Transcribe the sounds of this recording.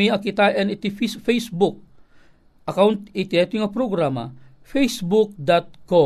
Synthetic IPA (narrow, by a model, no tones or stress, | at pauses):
iɐkit̪aʔɛnit̪ififɛjsbuk̚ | ʔɐkawnt̪̚it̪iɛt̪iŋɐpɾoɡɾama̰ | fɛjsbuk̚d̪at̪̚kɔ